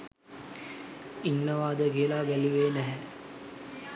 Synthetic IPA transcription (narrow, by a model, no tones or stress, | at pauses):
inːəʋaːd̪əɡiəlabæluʋeːnæɦɛ